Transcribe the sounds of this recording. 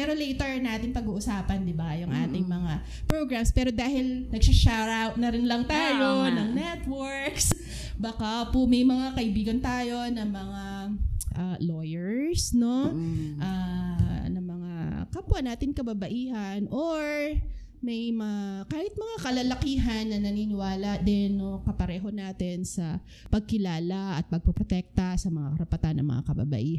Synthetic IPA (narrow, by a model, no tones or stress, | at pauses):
ɛɾo̞lɛjt̪ɛɹnaːt̪ɪŋpɐɡuːʔʊsaːpɐnd̪ɪbajʊŋʔa̰ːt̪ɪŋmɐŋa | pɹoɡɹamspɛːɾo̞d̪aːhɪlnɐɡ̚sɪʃaɹawt̪̚nɐɾɪnlɐŋt̪aːjonɐŋnɛt̪wɛɹks | bakapʊmɐjmɐŋakɐʔɪbiːɡɐnt̪aːjo̞nɐŋmɐŋa | ʔaːlojɛɹsno̞ʔa | nɐŋmɐŋakapwanːaːt̪ɪŋkɐbabɐʔiːɦɐnʔoɹ | mɐjmɐakaːhɪt̪̚mɐŋakɐlalɐkiːɦɐnːɐnɐniːnɪwaːlɐd̪ɪnːokɐpɐɾɛːɦo̞naːt̪ɪnsɐ | pɐɡ̚kɪlaːlaʔɐt̪̚pɐɡ̚pɐpɾot̪ɛk̚t̪ɐsɐmɐŋakɐɾɐpɐt̪anːʔɐ̰ŋmɐ̰ŋa̰kɐba̰bɐ̰ʔiː